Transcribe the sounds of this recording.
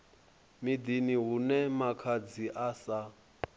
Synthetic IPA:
mid̪iniɦunɛmakʰad͡ziʔasa

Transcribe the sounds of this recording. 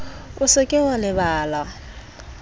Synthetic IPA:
ʊsɪkʼɪwalɪbaːla

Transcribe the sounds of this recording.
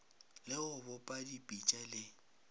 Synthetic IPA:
lɪʊbɔpʼadipʼit͡ʃʼalɪ

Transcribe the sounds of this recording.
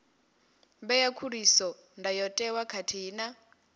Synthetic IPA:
bɛjakʰuɾisɔ | ndajɔtʼɛwakʰatʰiːna

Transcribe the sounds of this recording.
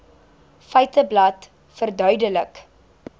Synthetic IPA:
fɛjtəblɐt | fərdœɥdələk

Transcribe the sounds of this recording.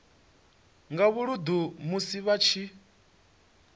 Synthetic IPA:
ŋɡaβuɺud̪umusiβat͡ʃʰi

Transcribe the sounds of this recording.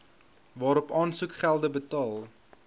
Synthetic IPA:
vɑːɾɔpɑːnsukχælˠdəbətɑːlˠ

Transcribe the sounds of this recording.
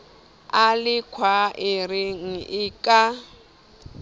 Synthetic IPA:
alɪkʰwaɪɾɪŋ̩ʔɪkʼa

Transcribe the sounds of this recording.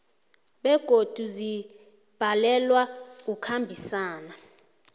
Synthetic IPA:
ɓɛɡ̥ʱod̥ʱuzi | b̥ʱalɛlwaukʰambʱisaːna

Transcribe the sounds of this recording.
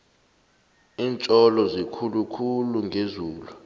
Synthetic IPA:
iːnt͡ʃʼɔlɔzikʰulukʰuluŋʱezuːlu

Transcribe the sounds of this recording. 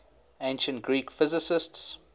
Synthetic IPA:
ẽnʃə̃ntɡɹiːkfɪzɪsɪsts

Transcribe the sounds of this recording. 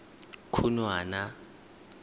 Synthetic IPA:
kʰunwaːna

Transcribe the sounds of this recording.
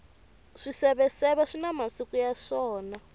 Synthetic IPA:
ʂisɛβɛsɛβaʂinamasikujaʂɔːna

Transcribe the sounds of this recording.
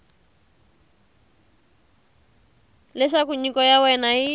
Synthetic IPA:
lɛʃakuɲikɔjawɛnaɦi

